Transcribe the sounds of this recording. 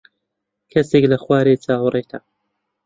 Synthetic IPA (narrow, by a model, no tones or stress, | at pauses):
kʰɐseːklɐxwaːɾet͡saːwreːt̪ʰɐ